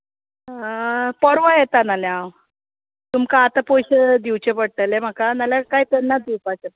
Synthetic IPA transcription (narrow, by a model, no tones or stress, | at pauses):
pəɾʋəjet̪analjãw | t̪umkaːt̪apojɕəd̪iwt͡ɕepəɽ̚ʈ̪əlem̤akanaljakajt̪enːad̪iwpat͡ɕet̪